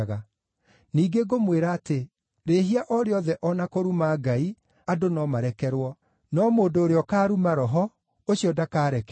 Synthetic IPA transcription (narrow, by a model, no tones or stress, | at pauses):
ɣa | niːɡeɡomweɾaːte | ɾeːɦiaʔɔɾeɔðɛʔɔnakoɾumaɡai | adonɔmaɾɛkɛɾwɔ | nɔmoːdoːɾeɔkaːɾumaɾɔɦɔ | oɕiɔdakaːɾɛk